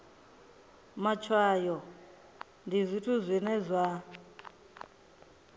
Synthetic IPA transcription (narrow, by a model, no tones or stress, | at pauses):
mat͡ʃʰwajɔ | ndizʷitʰuzʷinɛzʷa